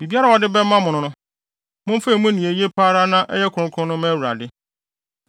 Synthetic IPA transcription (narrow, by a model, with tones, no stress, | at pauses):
bi˨bi˦a˦ɾa˨wɔ˨dɪ˦bɛ˦mːã˦mʊ̃˨nʊ̃˨nʊ̃˦ | mʊ̃˦m˦fe˦i˨mʊ̃˦nĩ˨e˨je˦pʰaː˦ɾa˦nã˦ʔɛ̰˦jɛ˦kʰʊ˨ɾʊ̃˦kʰʊ̃˦nʊ̃˦mɛ̃˦˨wu˨ɾa̰˨dɪ˦